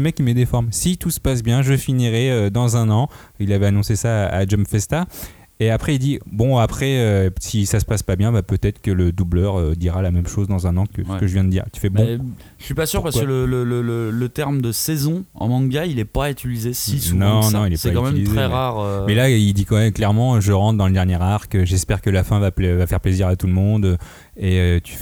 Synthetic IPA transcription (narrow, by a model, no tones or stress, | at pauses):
əmɛkʲːimɛd̪efɔʁmsit̪usə̥pas̬bjɛ̃ʒəfiniʁɛød̪ɑ̃zɛ̃nɑ̃ | ilavɛanɔ̃sesaa̰d͡ʒɔmfɛst̪a | eapχɛild̪ibɔ̃apχɛøsisasə̥paspabjɛ̃bapøt̪ɛt̪χə̥kələd̪ublœʁød̪iʁalamɛmʃozd̪ɑ̃zɛ̃nɑ̃kəsəkəʒəvjɛ̃d̪əd̪ḭːʁt̪y̥fɛbɔ̃ | ʒəsipasyʁpaskələlələlələt̪ɛʁmd̪əsɛzɔ̃ɑ̰̃mɑ̃ɡailɛpaet̪ylizesisnɔ̃nɔ̃ilɛsaɛkɑ̃mɛymliztɛʁaʁømɛlaild̪ikɑ̃mɛmklɛʁmɑ̃ʒəʁɑ̃t̪d̪ɑ̃ləd̪ɛʁnjɛʁaʁkəʒɛspɛʁkəlafɛ̃vapvafɛʁpleziʁat̪ulmɔ̃d̪ø | eøt̪y̥f